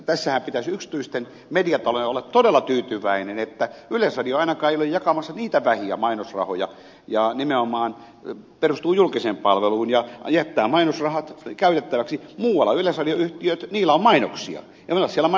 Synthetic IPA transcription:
t̪æsːæhæmpit̪æsyksi̥t̪yist̪en | mediɑt̪ɑlojeolːɑt̪t̪odelːɑt̪yːt̪yʋæinenet̪ːæylesrɑrioɑinɑkɑːeijolejjɑkɑmɑsːɑniːt̪æʋæhiæ̰mɑinosrɑ̰ho̰jɑ̰ | jɑnimeomɑːn | perust̪uːjulkiseːmpɑlʋeluːnjɑjæt̪ːæːmɑinosrɑhɑt̪kæyt̪et̪ːæʋæksimuːwɑlːɑylesrɑlioyht̪iøt̪niːlæommɑino̰ksḭɑ̰ | jɑmenɑssieælːæmɑ

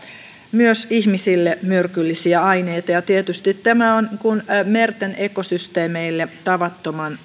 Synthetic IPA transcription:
myøsiçmisilːemyrkylːisiæɑjne̞jt̪ɑjɑt̪iet̪yst̪it̪ːæmæonkunme̞rt̪ene̞ko̞syst̪eːmeilːe̞t̪ɑʋɑt̪ːomɑn

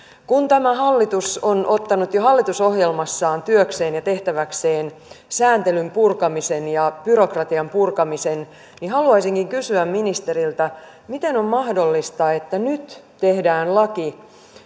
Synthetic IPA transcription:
kunt̪æmæɦɑlːit̪usonʔo̞t̪ːɑnut̪joɦɑlːit̪usohjelmɑsːɑːnt̪yøkse̞ːnjɑt̪e̞ht̪æʋækseːn | sæːnt̪elympurkɑmise̞njɑb̥yro̞krɑt̪iɑmpurkɑmise̞n | niɦɑluɑisiŋkiŋkysyæmminist̪e̞ɾilt̪ɑ | mit̪e̞nommɑhdo̞lːist̪ɑet̪ːænyt̪ | te̞hdæːnlɑki

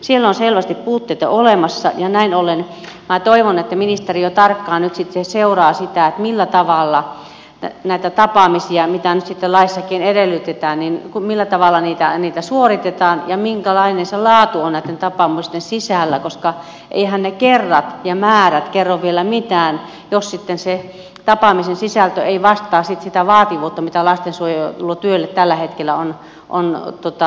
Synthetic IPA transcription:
sielːonselʋæst̪ippuːt̪ːeit̪ɑ̰olemɑsːɑ̰jɑnæinolenmæt̪oiʋonet̪ːæminist̪erijot̪ɑrkːɑːnnyt̪sit̪seseurɑːsit̪æˑet̪milːæt̪ɑʋɑˑlːɑ | næit̪æt̪ɑpɑmisiɑmit̪ænyt̪sit̪ːelɑisːɑkiːnedelːyt̪et̪æːnninkumilːæt̪ɑʋɑlːɑniːt̪æniːt̪æsuorit̪et̪ɑːnjɑmiŋkælɑinenselɑːt̪uonnæˑit̪ːent̪ɑpɑmust̪ensisæˑlːækoskɑ | ʔḛihænnekerːɑt̪jɑmæːræt̪kerːoʋʋielæmit̪æːn | jossit̪ːense | t̪ɑpɑmisensisælt̪øeiʋɑst̪ˑɑːsit̪sit̪æʋɑːt̪iʋuːt̪ːɑmit̪ælɑst̪ensuojot̪ulːot̪yølːet̪t̪ælːæhet̪kelːæon | ʔo̰nt̪uot̪ɑ

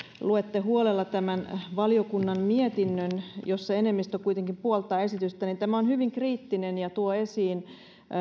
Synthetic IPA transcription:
luet̪ːehuolelːɑt̪æmænʋɑlijokunːɑmmiet̪inːønjosːɑenemːist̪okuit̪eŋkimpuolt̪ˑɑːe̞sit̪yst̪ænint̪æmæonhyʋiŋkriːt̪ːinenjɑt̪uoesiːn

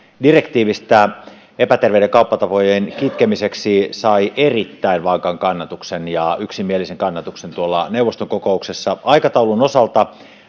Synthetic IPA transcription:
direkt̪iːʋist̪æ | epæt̪erʋeudeŋkɑupːɑt̪ɑpojenkit̪kemiseksisɑiʔerit̪ːæinʋɑŋkɑŋkɑnːɑt̪uksenjɑyksimieliseŋkɑnːɑt̪uksent̪uolːɑnewʋˑost̪oŋkokouksesːɑɑikɑt̪ɑulunosɑlt̪ɑ

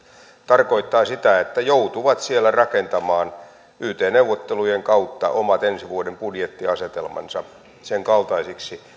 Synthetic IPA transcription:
t̪ɑrko̞it̪ːɑːsit̪æet̪ːæjout̪uʋɑt̪sielːærɑkent̪ɑmɑːn | yht̪eːnewʋot̪ːelujeŋkɑut̪ːɑ̰ʔomɑt̪ensiʋuodempudjet̪ːiɑset̪elmɑ̰nsɑ | seŋkɑlt̪ɑisiksi

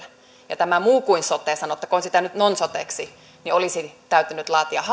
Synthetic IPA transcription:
jɑ̰t̪æmæmuːkuinsot̪ˑeːsɑnot̪ːɑkonsit̪ænyt̪nonsot̪ḛksi | niolisit̪æyt̪ynyt̪lɑːt̪iɑhɑ

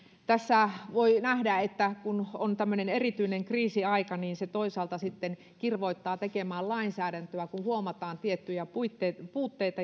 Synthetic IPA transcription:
t̪æsːæʋoinæhdæet̪ːækunont̪æmːønenerit̪yineŋkriːsiɑikɑniːnset̪oisɑːlt̪ɑsit̪ːen | kirʋoit̪ːɑːt̪ekemæːllɑinsæːɾænt̪øækuhuomɑt̪ɑːnt̪iet̪ːyjæpuit̪ːepuːt̪ːeit̪ɑ

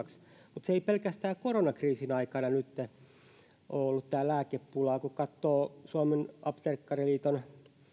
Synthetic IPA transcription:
ks | mut̪seeipelkæst̪æːkoronɑkriːsinɑikɑnɑnyt̪ːe | ʔoːolːut̪t̪æːlæːkeppulɑːkukɑt̪ːoːsuɑmenɑpst̪erkːɑriliːt̪on

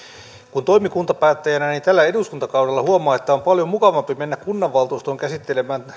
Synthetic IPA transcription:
kunt̪oimikunt̪ɑpæːt̪ːæjænænint̪ælːæeduskunt̪ɑkɑuwdelːɑhuomɑːet̪ːæompɑljomukɑʋɑmpimenːækkunːɑʋːɑlt̪uist̪oːŋkæsit̪ːelemæːn

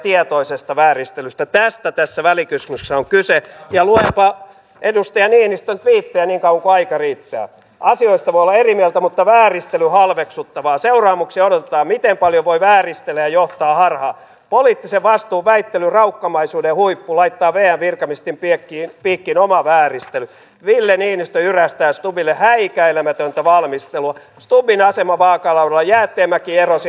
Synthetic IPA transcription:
t̪iet̪oisest̪ɑʋæːrist̪elyst̪æt̪æst̪æt̪æsːæʋælikysmyssːæoŋkysejɑluempɑ | edust̪ɑjɑniːenist̪ønt̪ʋiːt̪ːejɑniːŋkɑuwɑŋkoɑikɑriːt̪ːæ̰ː | ɑsioist̪ɑʋoijolːˑɑerimiɛlt̪æmut̪ːɑʋæːrist̪elyhɑlʋeksut̪ːɑʋɑːseurɑːmuksiodot̪et̪ɑːmit̪empɑljoʋoiʋæːrist̪elːæjɑjoht̪ɑːhɑrhɑː | poliːt̪ːiseʋʋɑst̪uːʋæit̪ːelyrɑukːɑmɑisuːdejhuipːulɑit̪ːɑːʋeːæʋʋirkɑmist̪impiekːinpiːkːinomɑʋæːrist̪ely | ʋilːeniːnist̪øyræst̪æːst̪ubilːehæikæelæmæt̪ønt̪æʋɑlmist̪eluɑ | st̪ubinɑsemɑʋɑːkɑlɑudelːɑjæːt̪ːˑeːmːækiːerosi

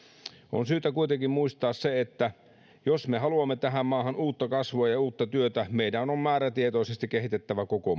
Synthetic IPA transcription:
ʔo̰nsyːt̪ækuit̪eŋkimmuist̪ɑːsseet̪ːæ | josmehɑluɑmːet̪æɦæmmɑːhɑnuːt̪ːɑkɑsʋoɑjɑuːt̪ːɑt̪yøt̪æmeidænommæːɾæt̪iet̪oˑisest̪ikehit̪et̪ːæʋækoko

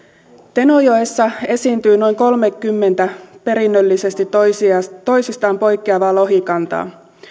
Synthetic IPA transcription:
t̪e̞nojoesːɑe̞siːnt̪yːno̞jŋko̞lme̞kːymːe̞nt̪æpe̞ɾinːølːise̞st̪it | t̪o̞jsist̪ɑːmpo̞jkːiɑʋɑːlo̞ɦikɑnt̪ɑ̰ː

